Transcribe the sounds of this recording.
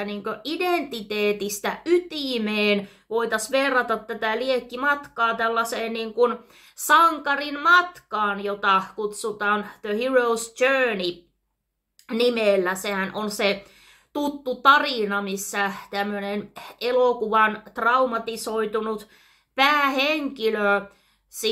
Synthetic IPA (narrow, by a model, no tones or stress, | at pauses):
niːŋkøʔident̪it̪eːt̪ist̪æʔyt̪imeːn | ʋoit̪ɑsʋerːɑt̪ɑt̪tæt̪æliekːimɑt̪kɑːt̪ælːɑseːnniːŋkun | sɑŋkɑrinmɑt̪kɑːnjot̪ɑkut̪sut̪ɑːnðøhiroust͡ʃøːni | nimelːæsehænʔonse | t̪ut̪ːut̪ɑrinɑmisːæt̪æmːønenelokuʋɑnt̪rɑumɑt̪isoit̪unut̪ | pæːheŋkilø | si